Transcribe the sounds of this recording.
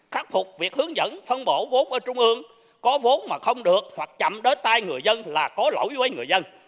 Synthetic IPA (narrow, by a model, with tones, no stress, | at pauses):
xaː˦˥k̚fʰʊ˨˩k͡p̚vi˨˩ək̚hɨ˨˦əŋzə̰˧˥nfə˧nɓo˧˩vo˨˦nʔəː˧˩t͡ɕʊ˧ŋ͡mʔɨ˧əŋ | kɔ˨˦vo˨˦nmaː˨˩xə˧wŋ͡mɗɨ˨˩ək̚hwa˨˩k̚t͡ɕa̰˧˨mɗə˨˦jt̪aː˧jŋɨ˨˩əjzə˧nlaː˨˩kɔ˨˦lo̰˧˩wjvə˨˦jŋɨ˨˩əjzə˧n